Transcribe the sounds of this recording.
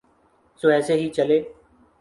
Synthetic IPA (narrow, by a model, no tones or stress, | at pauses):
soːɛːseːɦiːt͡ʃəleː